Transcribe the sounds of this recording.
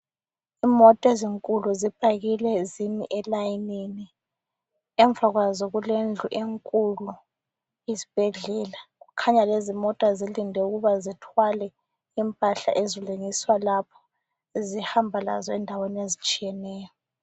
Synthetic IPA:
imɔtʼeziŋkʼuluzib̥ʱaɣilɛzimḭʔɛlajinini | ɛɱvʱaɣwazɔɣulend͡ɮʱuʔeŋkʼulu | izi̥b̥ʱɛɮɛːlaɣukʰaɲalezimɔtʼazilindʱɛuɣuβazitʰwalɛ | impʼaɬa̰ʔezuleŋiswalapʰɔ̥ | zihambʱala̰zɔɛndʱawenezit͡ʃʼijɛnɛːjɔ

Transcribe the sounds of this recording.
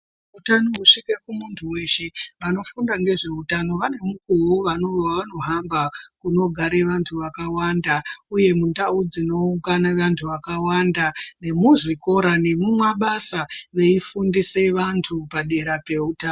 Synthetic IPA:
utanoɦuʂikekumuntʰuwe̞ʃe̞ʋano̞fundaŋɡe̞ʐe̞utano̞ʋane̞mukuuʋano̞rwaʋano̞ɦambakuno̞ɡʱaɾeʋantʰuʋakawandauje̞mundaud͡zino̞uɡanaʋantʰuʋakawandane̞muʐiko̞ɾane̞mumwaɓasaʋe̞ifundise̞ʋantʰupaɗe̞ɾape̞utaː

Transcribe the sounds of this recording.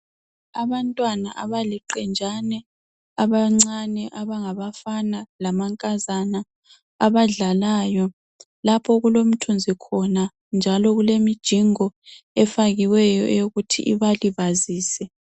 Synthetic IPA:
aβantʼwanaʔaβaliǃɛnd͡ʒʱanɛ | aβaŋ͡ǀanɛʔaβaŋaβafanalamaŋkʼazanaː | βaɮalaːjɔ | lapʰɔɣulom̩tʰund͡zʱikʰɔna | nd͡ʒʱalɔɣulemid̥ʒ̥ʱiŋɔɛfaɣiwɛjɔʔɛjoɣutʰḭʔiβaliβaziːsɛ

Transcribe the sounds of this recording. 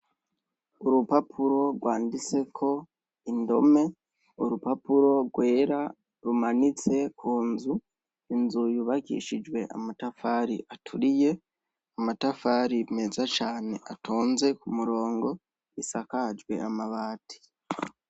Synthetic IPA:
uɾupapʰuɾo̞ɡwaːndit͡se̞kʰo̞ | indo̞me̞ | uɾupapuɾo̞ɾɡwe̞ːɾa | ɾumanit͡se̞kʰuːnzu | inzujuβakḭʃid͡ʒɡwe̞ʔa̰matafaɾḭʔatʰuɾije̞ | amatafaːɾime̞zat͡ʃaːne̞̰ʔatʰo̞ːnze̞kumuɾo̞ːŋɡo̞ | isakad͡ʒɡwe̞̰amaβaːti̥

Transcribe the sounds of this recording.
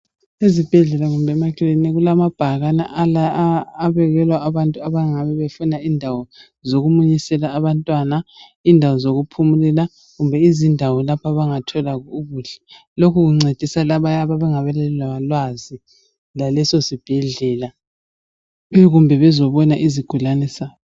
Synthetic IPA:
ezib̥ʱɛɮɛlaɣumbʱɛmakʰʼlenɛɣulamab̥ʱaɣana̰ʔalaːβɛɣɛlwaːβantʼuaβaŋaβɛβefunaindʱawɔ | zoɣumuɲisɛlaːβantʼwana | indʱawɔzoɣupʰumulɛla | ɣumbʱɛizindʱawɔlapʰaβaŋatʰɔlaɣɔuɣuːɬɛ̥ | lokʰuɣuŋ͡ǀed̥ʱisalaβajaβaβaŋaβɛlalɛlaβalwazi | lalɛsosib̥ʱɛɮɛːla | ɣumbʱɛβɛzɔβɔnaʔiziɡ̥ʱulanɛsaːβɔ

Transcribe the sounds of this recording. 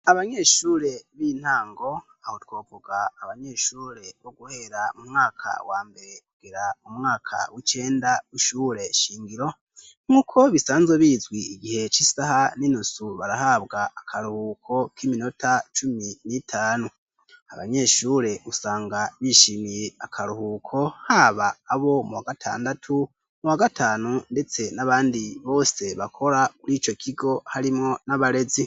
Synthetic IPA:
aβaɲe̞ːʃuɾe̞βin̥haːŋɡo̞ | aho̞twoːvuɡaːβaɲe̞ːʃuːɾe̞βo̞ɡuhe̞ːɾamumŋaːkʰa̰waːmbe̞ɾe̞kuɡ̥e̞ɾaumŋaːkʰa̰wit͡ʃe̞ːndawiʃuːɾe̞ʃiːŋɡiɾo̞ | ŋ̥uːkʰo̞βisaːnzweβiːzɡwiiɡihe̞t͡ʃisahaninusuβaɾahaːβɡaːkʰaɾuhukʰo̞kimino̞tʰat͡ʃuminitʰaːnu | a̰βa̰ɲe̞ːʃuːɾe̞ʔusaːŋɡaβiʃiːmije̞akʰaɾuhuːkʰo̞haβaːβo̞muwaɡatʰa̰ːndatʰu | muwaɡatʰaːnunde̞t͡se̞naβaːndiβo̞ːse̞βakʰo̞ɾakuɾiːt͡ʃo̞kʰiɡo̞haɾimŋo̞naβaɾe̞zi

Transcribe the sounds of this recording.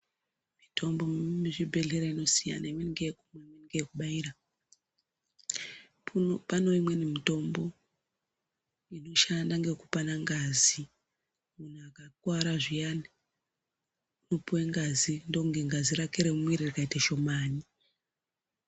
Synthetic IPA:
mitʰo̞mbo̞miʐibʱe̞ɮe̞ɾaino̞sija̰naimeniŋɡekumwemweniŋɡeekuɓaiːɾa | pano̞imwe̞nemito̞mbo̞ | ino̞ʃandaŋɡe̞kupanaŋɡazi | mun̤uakakwaɾaʐijani | unopoweŋɡazindo̞ŋɡe̞ŋɡazirakeɾeumwiɾirakaitaʃo̞maːni

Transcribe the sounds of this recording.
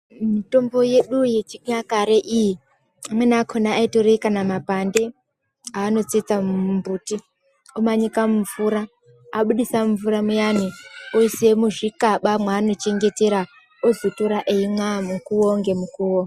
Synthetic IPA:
mito̞mbo̞je̞ɗuje̞t͡ʃikakaɾeʔiji | amwe̞nakʰonaːitoɾeikanamapande̞ | aːno̞t͡sit͡samumbuːti | omaɲikamuɱvuɾa | aɓuɗisamuɱvuɾamujanioisemuʐikaɓamwaːno̞t͡ʃe̞ŋɡeteɾa | ozotoɾaʔeimamukuwoŋɡe̞mukuːwo

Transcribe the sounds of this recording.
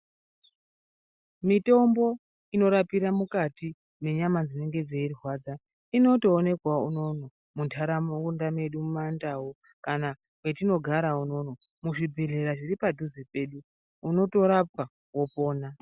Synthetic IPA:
mito̞mbo̞ | ino̞ɾapiɾamukati | me̞ɲamand͡zine̞ŋɡe̞d͡zeirirwad͡za | ino̞to̞ːne̞kwauno̞no̞ | muntʰaɾaundame̞ɗumumandaɦo | kana | kwe̞tino̞ɡʱaɾauno̞no̞ | muʐibʱe̞ɮe̞ɾaʐiɾipadʱuzepe̞ɗuː | no̞to̞ɾap̚wa | wo̞po̞ːna

